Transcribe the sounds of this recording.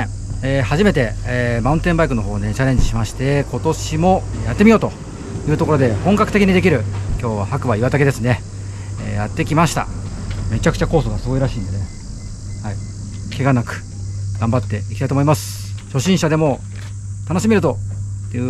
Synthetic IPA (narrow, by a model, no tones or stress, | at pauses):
eːhaʑime̞t̪e̞maɯ̃nt̪ẽ̞mbaikɯ̟no̞ɦo̞ːne̞t͡ɕaɾe̞ɲ̟d͡ʑiɕimaɕi̥t̪e̞ko̞t̪o̞ɕimo̞jat̪ːemʲijo̞ːt̪o̞ | jɯ̟ːt̪o̞ko̞ɾo̞d̪e̞hõ̞ŋkakɯ̟t̪e̞kʲiɲ̟id̪e̞kʲiɾɯ̟kʲo̞ːβahakɯ̟βaiβat̪ake̞d̪e̞sɨne̞ | eːjat̪ːe̞kʲimaɕi̥t̪a̰me̞t͡ɕakɯ̟t͡ɕako̞ːsoɡasɨɡo̞iɾaɕĩːnd̪e̞ne | hai | kʰe̞ɡanakɯ̟̥ | ɡ̥ãmbat̪ːe̞ikʲit̪ait̪omo̞imasɨ̥ | ɕo̞ɕĩɰ̃ɕad̪e̞mo̞ | t̪ano̞ɕimʲiɾɯ̟t̪o̞eɯ